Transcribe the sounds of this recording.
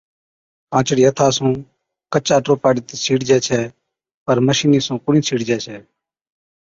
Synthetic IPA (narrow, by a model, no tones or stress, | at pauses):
pãːt͡ʃɽiːət̪ʰaːsũː | kət͡ʃaːʈoːpaːɽiːt̪eːt͡ʃʰiːɽd͡ʒɛːt͡ʃʰɛː | pəɾməʃiːniːsũːkʊɳĩːt͡ʃʰiːɽd͡ʒɛːt͡ʃʰɛː